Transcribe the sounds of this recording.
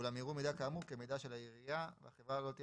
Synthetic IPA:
ulamjiʁumid̪akamukemid̪aʃe̞lajiʁijavḛaχevʁalo̞t̪i

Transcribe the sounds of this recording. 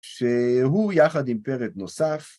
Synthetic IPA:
ʃeɦujaχad̪impeʁet̪nosaf

